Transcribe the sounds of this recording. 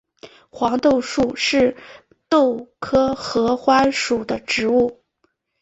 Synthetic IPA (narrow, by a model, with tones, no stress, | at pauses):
xwɑ˧˥ŋt̪o˥˧ʊʂu˥˩ʂɻ̩˥˧ | t̪o˥˩ʊkʰɤ˥xɤ˧˥xwa˥nʂu˨˩d̪ə˦ʈ͡ʂɻ̩˧˥u˥˩